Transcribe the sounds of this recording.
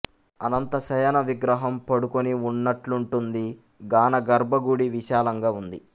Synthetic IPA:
ɐ̰nɐnt̪ɐʃɐjɐnɐʋiɡɾɐɦɐmpɐɽukoniunːɐʈluɳʈund̪i | ɡaːnɐɡɐɾbʱɐɡuɽiʋiʃaːlɐŋɡaːund̪i

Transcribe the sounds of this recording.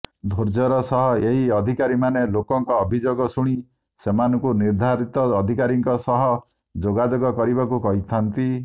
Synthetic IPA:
d̪ʱoɾd͡ʒɔɾɔsɔɦɔeɦiɔd̪ʱikaɾimanelokɔŋkɔːbʱid͡ʒoɡɔsuɽ̃i | semanɔŋkuniɾd̪ʱaɾit̪ɔːd̪ʱikaɾiŋkɔsɔɦɔ | d͡ʒoɡad͡ʒoɡɔkɔɾibakukɔɦit̪ʰant̪i

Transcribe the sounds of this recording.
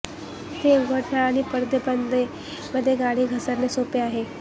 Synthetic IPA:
t̪eɡʱəʈɳaːɽ̃ipəɾd̪əpənd̪e | məd̪ʱːjeɡaɽiːɡʱəsəɾnesopeaɦe

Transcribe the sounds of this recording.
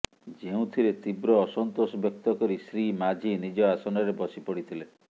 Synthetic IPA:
d͡ʒeũt̪ʰiɾet̪ibɾɔːsɔnt̪osɔbjɔk̚t̪ɔkɔɾisɾimad͡ʒʱinid͡ʒɔasɔnɔɾebɔsipɔɽit̪ʰile

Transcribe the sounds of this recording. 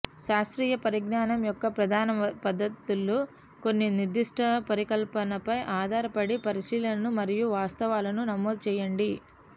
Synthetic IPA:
ʃaːst̪ɾiːjɐpɐɾiɡnaːnɐmjɔkːɐpɾɐd̪ʱaːnɐpɐd̪ʱːɐt̪ːulːu | ko̞nːiniɾd̪iʂʈʰɐpɐɾikɐlpɐnɐpɐjʔaːd̪ʱaːɾɐpɐɽipɐɾiʃiːlɐnɐnumɐɾijuʋaːst̪ɐʋaːlɐnunɐmɔːd̪̚t͡ʃɛːjɐɳɖi

